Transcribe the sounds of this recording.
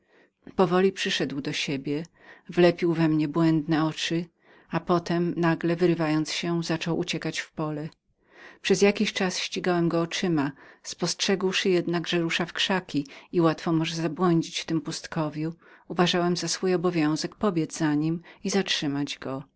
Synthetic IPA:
pɔvɔlʲipʂɘʂɛd̪wd̪ɔɕebʲjɛ | vlɛpʲiwvɛmɲɛbwɛnd̪nɛɔt͡ʂɘ | apɔt̪ɛmnaɡlɛvɘɾɘvajɔnt̪sɕɛzat͡ʂɔwʔut͡ɕɛkat͡ɕfpɔlɛ | pʂɛzjakʲiɕt͡ʂasɕt͡ɕiɡawɛmɡɔːt͡ʂɘmaspɔstʂɛɡwʂɘjɛd̪naɡʐɛɾuʂafkʂakʲiiwat̪fɔmɔʐɛzabwɔɲd͡ʑit͡ɕft̪ɘmpust̪kɔvʲjuuvaʐawɛmzasfujɔbɔvʲjɔ̃w̃zɛkpɔbʲjɛd̪zzaɲimizatʂɘmad͡ʑɡɔ

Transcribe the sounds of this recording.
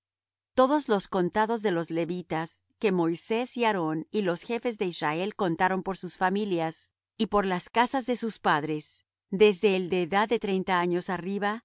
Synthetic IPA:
t̪o̞ðo̞zlo̞sko̞nt̪aðo̞zðe̞lo̞zle̞βit̪as | ke̞mo̞jse̞siaɾo̞nilo̞sxe̞fe̞zðe̞izrae̞lko̞nt̪aɾo̞mpoɾsusfamiljas | ipo̞ɾlaskasazðe̞suspaðɾe̞s | d̪e̞zðeld̪e̞ːðaðːe̞t̪ɾe̞jnt̪aaɲo̞sariβa

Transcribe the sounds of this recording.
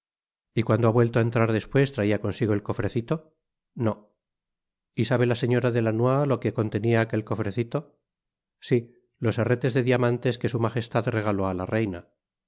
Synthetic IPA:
ikwand̪oaβwe̞lt̪oaent̪ɾaɾðe̞spwe̞st̪ɾaiako̞nsiɣoelko̞fɾe̞θit̪o̞ | no | isaβ̞e̞lase̞ɲo̞ɾaðe̞lanwalo̞keko̞nt̪e̞niaːke̞lko̞fɾe̞θit̪o̞ | si | lo̞seret̪e̞zðe̞ðiamãnt̪e̞ske̞sumaχe̞st̪aðre̞ɣ̞alo̞alare̞jna

